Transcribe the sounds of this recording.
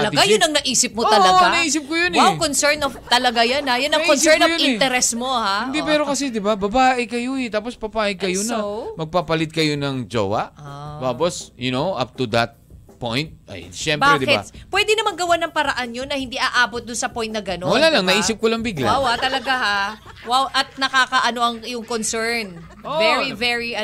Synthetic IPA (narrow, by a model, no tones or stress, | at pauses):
ɐlɐɡajʊnɐŋnɐʔiːsɪp̚mot̪ɐlɐnɐʔiːs̬ɪp̚kojʊnɛkonsɛɹnɐft̪ɐlɐɡajɐnajʊnɐʔkɔnsɛɹnjʊɪnɛɾɛsmohaɪnd̪ipɛːɾokɐsɛd̪ɪbabɐbaːʔɪkɐjoɛt̪aːpospɐpaːʔɪkɐjonɐmɐɡ̚papɐlɪd̪̚kɐjonɐŋd͡ʒo̰wɐ̰ʔt̪aːposjʊnowʔa̰p̚t̪ud̪ɐt̪̚po̰jnt̪̚ɐ̰jʃɛmbaɾɛd̪ɪkɪa̰pwɛːd̪ɪnɐmɐŋɡɐwanɐŋpɐɾɐʔanjonːɐhɪnd̪iʔaʔaːbot̪̚d̪ʊnsɐpojnt̪nɐɡɐnowɐlaːlɐŋnɐʔiːsɪp̚kolɐŋbɪɡlaawat̪ɐlɐɡaha | wawʔɐt̪̚nɐkaːkɐʔɐno̞ʔɐŋɪjʊŋkonsɛɹn | ovɛɹivɛɹiɐ